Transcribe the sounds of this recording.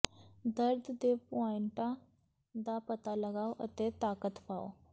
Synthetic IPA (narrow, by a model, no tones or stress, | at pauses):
d̪əɾd̪ʱd̪epaɳʈa | d̪apət̪aləɡawʔə̰t̪et̪akət̪pa̰w